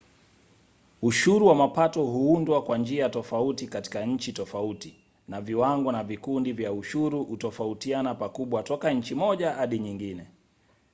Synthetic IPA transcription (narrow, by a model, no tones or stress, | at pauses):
uʃuɾuwamapatɔhuundwakwand͡ʒiatɔfautikati̥kaɲ̩t͡ʃitɔfauti | naviwaŋɡɔnavikundivjauʃuɾuutɔfautianapakuɓwatɔkaɲ̩t͡ʃimɔʄahaɗiɲiŋɡinɛ